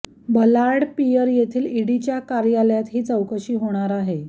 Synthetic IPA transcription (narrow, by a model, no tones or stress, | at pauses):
bəlaɽpijəɾjet̪ʰiːliɽit͡ɕjakaɾjaljat̪ɦiːt͡səwkəɕiːɦoɽ̃aɾaɦe